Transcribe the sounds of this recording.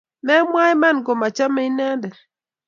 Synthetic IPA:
mɛ˦mwa˦ɛ˦ma˦˨nɡɔ˨ma˨t͡ʃa˦mɛ˦i˦nɛ˦ndɛ˨

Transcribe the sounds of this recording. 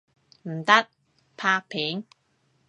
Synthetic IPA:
m̩˨˩t̪ɐ˥t̚ | pʰaː˧k̚pʰiː˨˥ŋ

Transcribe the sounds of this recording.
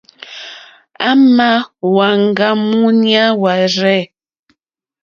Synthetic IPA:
a˦ma˦wa˨ŋ˦˨ɡa˦mu˦nja˦wa˨ɾɛ˦˨

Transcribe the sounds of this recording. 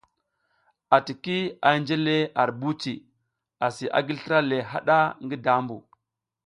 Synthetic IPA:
a˨ti˨ki˦a˨˦nd͡ʒe˦le˦a˨ɾbu˦t͡ʃi˨ | a˨si˨ʔa̰˨ɡi˦lɬɾa˦le˨ɦa˦ɗa˦ŋɡi˦da˦mbṵ˨

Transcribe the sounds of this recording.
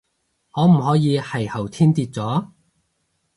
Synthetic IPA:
ŋɔː˨˧m̩˨˩ɦɔː˨˥jiː˨˧hɐ˨˩jhɐ˨˩wt̪ʰiː˥nt̪iː˧t̚t͡sɔː˨˥

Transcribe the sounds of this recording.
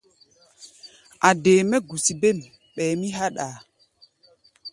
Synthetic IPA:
a˨deː˨mɛ˦ɡu˨si˨be˦˨m | ɓɛː˨mi˦ɦa˦ɗa˨

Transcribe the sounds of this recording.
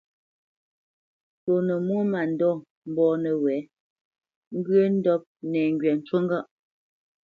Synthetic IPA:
to˨nə˨mwo˦ma˨n̩˨dɔ˦˨ | m̩˦bɔː˦nə˨wɛ˨˦ | ŋ̩˦ɡɰe˦n̩˦dɔ˦p̚nɛː˨ŋ˦ɡɥɛ˨n̩˨t͡ʃwo˦ŋ˦ɡa˦ʔ

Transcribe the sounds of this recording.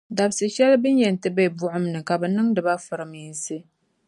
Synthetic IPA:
da˨bsɨ˨ʃɛ˦lbɨ˦n˦jɛ˨n˨tɨ˦bɛ˦˨bʊ˦ʔʊ˦mnɨ˨ka˨bɨ˨nɨ˦ŋdɨ˨ba˦fɨ˨ɾɨ˨miː˦n˦sɨ˦

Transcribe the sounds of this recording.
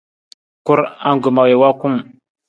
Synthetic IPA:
ku˦ɾa̰˦ŋɡu˨ma˨we˨wa˦ku˦m

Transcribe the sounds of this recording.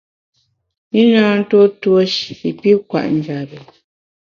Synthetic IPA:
mi˦naː˦n̩˦to˦two˦ʃi˨i˨pi˦kwa̰˨ʔn̩˦d͡ʒa˨bɛ˨

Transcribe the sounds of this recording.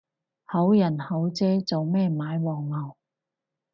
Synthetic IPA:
hɐ˨˥wjɐ˨˩nhɐ˨˥wt͡sɛː˥t͡so˨wmɛː˥˧maː˨˥jwɔː˨˩ŋmɐ˨˩w

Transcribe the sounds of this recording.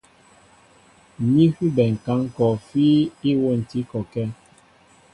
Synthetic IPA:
mi˦hu˦bɛ˨ŋ̩˨ka˨˦ŋ˦kɔ˨fi˦i˦wo˦˨n̩˨ti˨˦kɔ˨kɛ˦

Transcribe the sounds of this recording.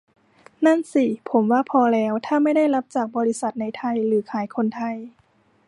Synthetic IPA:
na˥˩nsiː˧˩pʰo˩˦mwaː˧˥˨pʰɔː˧lɛː˦˥wt̪ʰaː˥˩ma˥˩jda˥˩jla˦˥p̚t͡ɕaː˨˩k̚bɔː˧li˦˧˥sa˨˩t̪̚na˧˩jt̪ʰa˧˩jlɯː˩˦kʰaː˩˦jkʰo˧˥nt̪ʰa˧˩j

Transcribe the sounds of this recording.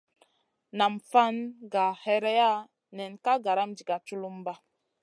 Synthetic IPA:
na˨mfa˦nɡa˨hɛ˦ɾɛ˦ja˦ | nɛ˨nka˦ɡa˨ɾa˦md͡ʒi˨ɡa˨t͡ʃu˦lu˦mba˦

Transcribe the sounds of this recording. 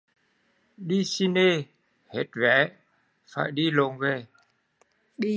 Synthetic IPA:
ɗi˧si˧ne˧ | he˨˦t̚vɛ̰˨˦ | fa̰ː˧˨jɗi˧lo˨˩nve˨˩ | ɗi˧

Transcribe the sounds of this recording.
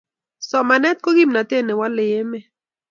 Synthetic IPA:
so˨ʔma˨ne˦t̪̚koɣimnat̪e˦ne˨wale˨je˦me

